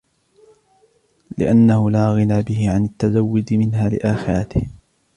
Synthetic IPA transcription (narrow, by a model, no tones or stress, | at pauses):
lɪ̰ʔanːahʊlaːɣɪnaːbɪhɪʕanat̪ːazawːʊd͡ʒmɪnɦaːlɪ̰ʔaːxɪɾɑt̪ɪh